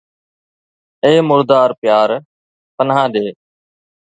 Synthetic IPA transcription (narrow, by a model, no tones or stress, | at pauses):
eːmʊɾd̪aːɾpɪjaːɾ | pənɦãːɗeː